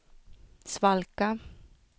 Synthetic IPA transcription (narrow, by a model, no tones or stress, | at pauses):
svalka